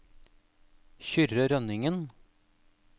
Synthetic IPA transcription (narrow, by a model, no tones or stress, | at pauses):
çʏɾəɾœnɪŋən